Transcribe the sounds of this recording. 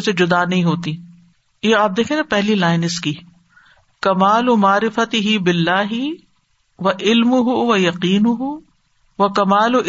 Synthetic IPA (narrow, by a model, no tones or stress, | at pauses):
sed͡ʒʊd̪anɐɦĩɦoːt̪i | jeaːp̚d̪eːkʰeːnɐpɛɦlilaːɪnɪski | kɐmaːlʊmaːɾɪfɐt̪ɪɦɪbɪlːaːɦɪ | ʋɐʔɪlmʊɦʊʋɐjɐqiːnʊɦʊ | ʋɐkɐmaːlʊʔ